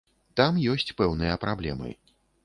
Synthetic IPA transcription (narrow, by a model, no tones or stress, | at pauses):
t̪amjɔsʲt͡sʲpɛwnɨjɐpɾablʲɛ̰mɨ̰